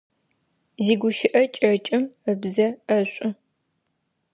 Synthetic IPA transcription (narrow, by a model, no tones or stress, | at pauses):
ziːɡʷʊʃɪʔɐt͡ʃʼɐt͡ʃʼɪməbzɐɐɕʷʼʊ